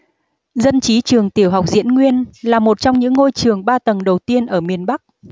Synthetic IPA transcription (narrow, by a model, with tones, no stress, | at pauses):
zə˧nt͡ɕi˨˦t͡ɕɨ˨˩əŋt̪i˧˩əwɦa˨˩wk͡p̚zḭ˧˥ənŋwi˧ənlaː˨˩mo˨˩t̚t͡ɕɔ˧wŋ͡mɲɨ̰˧˥ŋːo˧jt͡ɕɨ˨˩əŋɓaː˧t̪ə˨˩nɗə˨˩wt̪i˧ənʔəː˧˩mi˨˩ənɓa˦˥k̚